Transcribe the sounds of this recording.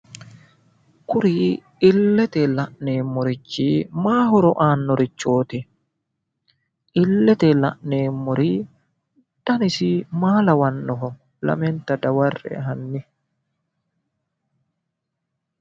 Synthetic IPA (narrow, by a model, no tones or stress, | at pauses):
kʊɾiː | ɪlːɛt̪ɛlɐʔneːmːɔɾɪt͡ʃːimaːɦɔɾɔʔaːnːɔɾɪt͡ʃːoːt̪ɪ | ʔɪlːɛt̪ɛlɐ̰ʔneːmːɔɾiː | d̪̥ɐnɪsɪmaːlɐwɐnːɔɦɔ | lɐ̰mɛnt̪ɐd̪ɐwɐrːɛ̰ɦɐnːɪ